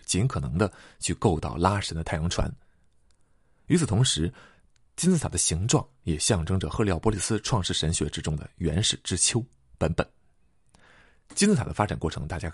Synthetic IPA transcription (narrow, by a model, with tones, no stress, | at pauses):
t͡ɕi˧˥nkʰɤ˨˩nɤ˧˥ŋd̪ə˧t͡ɕʰy˥˧ko˥˧ʊt̪ɑ˥˩ʊla˥ʂə˧˥nd̪ə˧t̪ʰɪjɑ˧˥ŋʈ͡ʂʰwa̰˧˥n | y˧˥t͡s̩ʰ˨˩t̪ʰʊ˧˥ŋʂɻ̩˧˥ | t͡ɕi˥nt͡sɹ̩˥˩t̪ʰd̪ə˦ɕi˧˥ŋʈ͡ʂwɑ̰˥˩ŋjɛ˨˩ɕjɑ˥˩ŋʈ͡ʂɤ˥ŋʈ͡ʂə˨xɤ˥˧li˧˥ɑ˥˩pwɔ˧˥li˨˩sɹ̩˥ʈ͡ʂʰwɑ˥˧ŋʂɻ̩˥˩ʂə˧˥nɕɥɛ˧˥ʈ͡ʂɻ̩˥ʈ͡ʂʊ˥ŋd̪ə̰˨˩ɥɛ̰˧˥nʂɻ̩˨˩ʈ͡ʂɻ̩˥t͡ɕʰjo˥ʊ | pə˧˥npə̰˨˩˦n | t͡ɕi˥nt͡sɹ̩˥t̪ʰa˨˩d̪ə˦fa˥ʈ͡ʂa˨˩nkwɔ˥˩ʈ͡ʂʰɤ˧˥ŋt̪a˥˩t͡ɕja˥